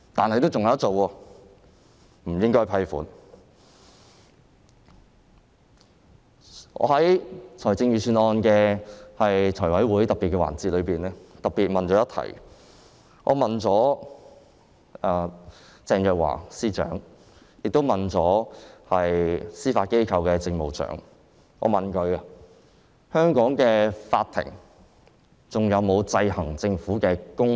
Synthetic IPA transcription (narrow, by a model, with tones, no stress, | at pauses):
t̪aː˨nhɐ˨jt̪o˥wt͡sʊ˨ŋɐ˨˦ɐ˥t̚t͡so˨wɔː˧ | m̩˨˩jɪ˥ŋkɔ˥˨˩pʰɐ˧jfuː˨˥n | ŋɔ̰ː˨˧hɐ˨˥jt͡ʃʰɔ˨˩jt͡sɪ˧ŋɥyː˨syː˧nɔː˧nkɛː˧hɐ˨jt͡sʰɔː˨˩wɐ˨˥jwu˧˥jhɐ˨˥jt̪ɐ˨piː˨t̚kɛ˧wa̰ː˨˩nt͡siː˨˧t̚lɵ˨˧ɥpiː˨nɛ˧˥t̪ɐ˨p̚piː˨t̚mɐ˨nt͡ʃɔː˨˥jɐ˥t̪ʰɐ̰˨˩j | ʔɔː˨˧mɐ˨nt͡sɔː˨˥ | aː˨˩ | t͡sɛː˧ŋjœː˨k̚wa̰ː˨˩siː˥t͡ʃœ̰ː˨˥ŋ | jɪ˨k̚t̪o˥wmɐ˨nt͡sɔː˨˥hɐ˨jsiː˥faː˧t̚ke˥jkʰɐ˧wkɛː˧t͡sɪ˧ŋmo˨wt͡sœ̰ː˨˥ŋ | ʔɔ̰ː˨˧mɐ˨˩nkɵ˧ɥɐ˧ | hœː˥ŋkɔː˨˥ŋkɛː˧faː˧t̪ʰɪ̰˨˩ŋ | t͡sʊ˨˩ŋjɐ˨˧wmo˨˧wt͡sɐ˧jhɐ˨˩ŋt͡sɪ˧ŋfuː˨˥kɛː˧kʊ˥ŋ